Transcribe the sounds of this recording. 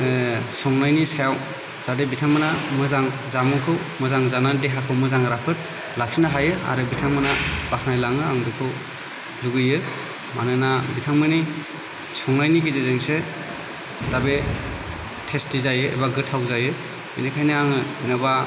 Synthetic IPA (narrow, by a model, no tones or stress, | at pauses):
sɔŋnajnisajaw | z̥adebitʰaŋmɯnamɯzaŋzamɯŋkʰɯw | mɯzaŋzanadeɦakʰɯwmɯzaŋɾapʰɯt̚ | lak̚sinaɦajɯa̰ɾɯbitʰaŋmɯnabakʰnajlaŋɯaŋbikʰɯw | luɡɯjɯ | manɯnabitʰaŋmɯni | sɔŋnajniɡizezeŋse | d̥abe | tʰestizajɯḛbaɡɯtʰːawzajɯ | ḭnikʰajniaŋɯz̥inaba